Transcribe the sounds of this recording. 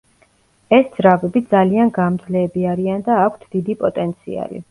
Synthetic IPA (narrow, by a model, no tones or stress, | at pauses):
ɛsd̪z̥ɾavɛbid̪zalianɡamd̪zlɛːbiaɾiand̪aːkʷʰt̪ʰd̪̥id̪ipʼɔt̪ʼɛnt̪sʰḭa̰lḭ